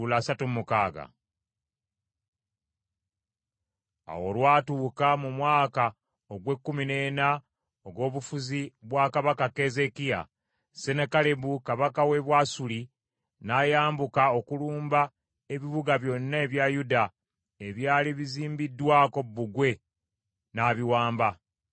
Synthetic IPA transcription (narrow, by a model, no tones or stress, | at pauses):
ulasatumukaːɡa̰ | a̰wo̞lwaːtuːkamumwaːka | oɡwe̞kːumine̞ːna | oɡo̞ːβufuziβwakaβakake̞ze̞kija̰ | se̞nekale̞bukaβakawe̞βwaːsuli | najaːmbukao̞kuluːmba | e̞βiβuɡaβjo̞nːae̞βjajuda | e̞βjaːliβiziːmbidːwaːko̞bːuɡwe̞ | naːβiwaːmba